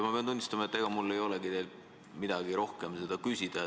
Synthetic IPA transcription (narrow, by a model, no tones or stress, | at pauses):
mɑpe̞ɑnt̪unʲːist̪ɑmɑet̪ːˑeɡ̥ɑmulːe̞jo̞leɡid̪e̞l | mid̪̥ɑɡiɾo̞hke̞mse̞d̪ɑkysʲid̪̥ɑ